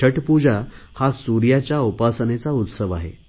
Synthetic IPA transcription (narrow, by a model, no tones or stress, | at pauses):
əʈpud͡ʑahasuɾjat͡ɕjaupasnet͡saut̪səʋaɦḛ